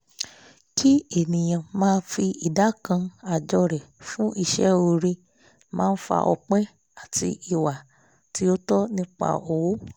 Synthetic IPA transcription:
ki˦e˨nĩ˨j̃ã˨mãː˦˧n˦fi˧i˨da˨˦kã˧a˨d͡ʒɔ˧ɾɛ˨fũ˦i˧˨ʃɛ˦o˧˨ɾe˧ | mãː˦˧n̩˦fa̰˧ʔɔ˧k͡pɛ˦ | a˦˨ti˧i˨wa˨ | ti˨˦o˦tɔ˦nĩ˦k͡pa̰˧o˧wo˦

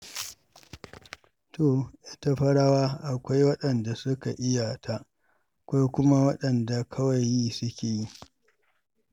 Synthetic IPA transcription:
to˨ʔɪ˦ta˦ɸɐ˦ɽaː˦waː˦ʔa˨kʷa˦jwɐ˦ɗɐ˨nda˨sʊ˦ka˨ʔɪ˦ja˨tʰa˦ʔ | kʷa˦jkʷʊ˦ma˦wɐ˦ɗɐ˨nda˨kʰɐ˦wa˨jjːiː˦sʊ˦kʲeː˨ji˦

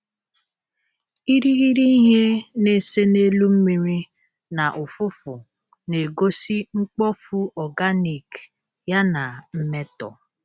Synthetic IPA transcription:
i˦ɾi˦ɣi˦ɾi˦ɦe˦ne˦˨se˦ne˦lu˦m̩˦mi˨ɾi˦ | na˨ʔʊ˨fʊ˦fʊ˨ | ne˨ɡo˦si˦ŋ͡m̩˦k͡pɔ˦fu˦ɔ˨ɡa˦ni˨k | ja˦na˨m̩˦me˦tɔ̰˨

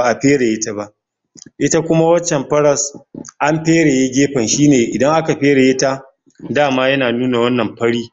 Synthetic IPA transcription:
a˨ʔa˨ɸeː˦ɽe˨je˦ta˦ba˦ʔ | ʔɪ˦ta˦kʷʊ˦ma˦wɐ˦t͡ʃːɛ˨mɸɐ˦ɾɐ˨sʔa˦mɸeː˦ɽe˨je˦ɡʲeː˦ɸɐ˨nʃiː˦neː˨ʔɪ˨dɐ˦ŋʔa˦ka˨ɸeː˦ɽe˨je˦ta˦ | daː˦˨maː˦jɐ˦naː˨nuː˦na˨wɐ˦nːɐ˨mɸɐ˦ɽiː˦

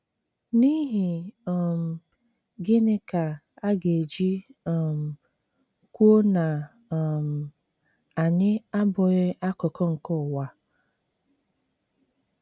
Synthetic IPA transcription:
ni˦ɦi˨m̩˨ | ɡɪ˦nɪ˦ka˨ | a˦ɡe˨d͡ʒi˦˨m̩˨ | kʷu˦o˦na˨ | m̩˨ | a˨ɲɪ˦a˦bɔ˨ɣɪ˦ʔa˦kɔ˨kɔ˦ŋ̩˨kɔ˦˨wa˨

